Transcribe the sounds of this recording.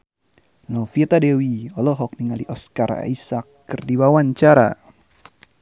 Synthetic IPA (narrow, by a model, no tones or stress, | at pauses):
nɔfiɛt̪adewiɔlɔɦɔk̚niŋaliʔɔskaɾa̰isakːɨrdiwawaɲt͡ʃaɾa̰